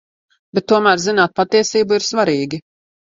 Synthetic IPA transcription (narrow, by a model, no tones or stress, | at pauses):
b̥ɛt̪̚ːuɔmæːɾzinaːt̪̚pat̪iɛsiːbuiɾsvaɾiːɡʲi